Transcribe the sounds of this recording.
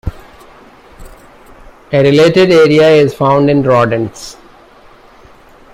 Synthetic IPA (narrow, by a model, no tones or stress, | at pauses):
eɾɪleːʈeɖeːɾiaɪzfãʊ̃ɳɖɪ̃nɾɔːɖə̃ns